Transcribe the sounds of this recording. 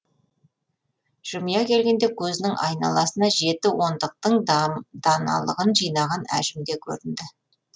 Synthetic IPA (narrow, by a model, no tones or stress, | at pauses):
ʒ̥ʊmijɑkʲʰe̞lɡʲe̞nd̪ekʲʰɵzɪnɪŋɑ̰jnɑ̰lˠɑsənɑʒe̞t̪ɪwo̞nd̪əq̚t̪əɴd̪̥ɑnɑ̰lˠə̰ʁənʒijnɑʁɑnæ̰ʒɪmd̪e̞kʲʰɵ̰ɾɪnd̪ɪ